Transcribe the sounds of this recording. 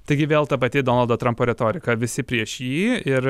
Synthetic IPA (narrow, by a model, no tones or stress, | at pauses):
t̪ɐɪɡʲɪʋʲeːlˠt̪ɐpɐt̪ʲɪd̪oːnɐlˠd̪oːt̪ɾɐmpoːɾʲɛt̪oːɾʲɪkɐʋʲɪsʲɪpʲɾʲiɛʃjiːɪɾ